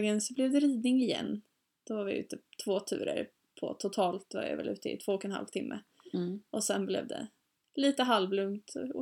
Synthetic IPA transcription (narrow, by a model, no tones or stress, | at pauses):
ɡənsɔblɛvd̪ɛɾiːd̪nɪŋɪjɛ̰nː | d̪̥ɔvaɾvɪʉ̟̰ːt̪ət̪ʰvoːt̪ʰʉ̟̰ːɾə̰ɾ | pʰɔ̰t̪ʰʊt̪ʰɑːlt̪̚d̪ɛva̰vɪ̰vɛ̰lʉ̟ːt̪əɪ̰t̪ʰvoːɔkːɛnha̰lvt̪ʰɪmːʔə | ʔɔsɛnblɛ̰vd̪ɛ̰ | liːt̪əɦalvlɵŋt̪ɔ